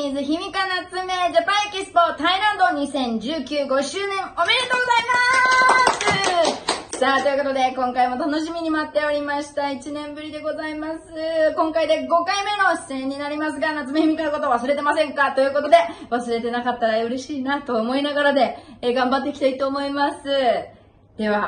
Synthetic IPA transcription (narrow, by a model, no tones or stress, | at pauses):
izɨçimʲikanat͡sɨme̞d͡ʑapaakʲisɨ̥po̞t̪aiɾãnd̪o̞ɲ̟isẽ̞ɲ̟d͡ʑɨːkʲɨːɡo̞ɕɨːnẽ̞ŋo̞me̞ɾe̞t̪o̞ːɡo̞zaimasɨ | saːt̪o̞jiɯ̟ko̞t̪o̞d̪e̞kõŋkaimo̞t̪ano̞ɕ̬imʲiɲ̟imat̪ːe̞o̞ɾʲimaɕi̥t̪ait͡ɕinẽ̞mbɯ̟ɾʲid̪e̞ɡo̞zaimasɨkõ̞ŋkaid̪e̞ɡo̞kaime̞no̞ɕsẽ̞ɲ̟ːinaɾʲimasɨɡanat͡sɨmeimʲikanako̞t̪oβasɨɾe̞t̪e̞masẽ̞ŋkat̪o̞jɯ̟ːko̞t̪o̞d̪e̞βasɨɾe̞t̪e̞nakat̪ːaɾaɯ̟ɾe̞ɕiːnat̪o̞ːmo̞inaɡaɾad̪e̞ɡãmbat̪̬ːe̞iki̥t̪ait̪o̞ːmo̞imasɨ | d̪̥e̞βa